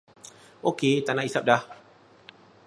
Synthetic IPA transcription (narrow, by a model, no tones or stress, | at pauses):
ʔoket̪anaʔisap̚da